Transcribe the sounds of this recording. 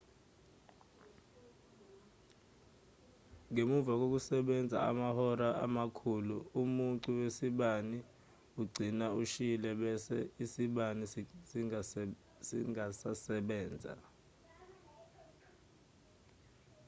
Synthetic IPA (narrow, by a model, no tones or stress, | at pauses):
ŋemuvak̬ok̬usɛɓɛnd͡zʱa̰a̰mahɔɾaʔa̰makʰuluumunǀuwesiɓani | uɡ͡ǀʱinauʃilɛɓɛsɛisiɓanisi | siŋasasɛɓɛːnd͡zʱa̰